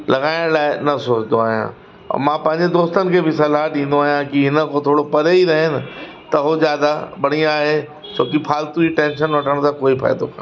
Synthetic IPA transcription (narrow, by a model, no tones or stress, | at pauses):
lɐɡaːɪɽ̃laːɪnɐsoːt͡ɕɪd̪d̪oaːɦijã̰ | ɔ̰mãːpɐ̃ɦɪ̃ɲ̆d͡ʑed̪oːst̪ənɪ̆kʰeːbɪsɐlaɗĩːn̆d̪oaːɦijãkiɦɪnə̆kʰõt̪ʰoːɽopɐɾeiɾɐɦɪnɪ̆ | t̪ɐɦozjaːd̪aɓɐɽ̃iaːɦe | t͡ɕʰoːkipʰaːlt̪uiʈẽːnʃənʋɐʈʰəɽ̃t̪ʰãkoːifa̰ːɪd̪okʰã̰ː